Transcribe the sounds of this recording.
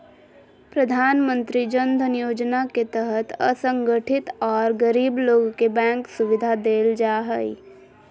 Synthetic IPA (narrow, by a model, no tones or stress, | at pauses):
pɾəd̪ʱaːnmə̃nt̪ɾid͡ʒə̃nd̪ʱənijoːd͡ʒnaket̪əɦət̪ə̰sə̃ŋɡəʈʰɪt̪ɔːɾɡəɾiːbloːɡkebɛ̃ːŋksʊʋɪd̪ʱad̪eːld͡ʒaːɦəḭ